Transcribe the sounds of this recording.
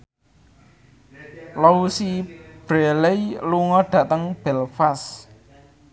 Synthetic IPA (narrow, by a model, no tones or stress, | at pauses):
lɔusib̥ɾelejluŋɔɖ̥ä̤ʔt̪əŋb̥ɛlfas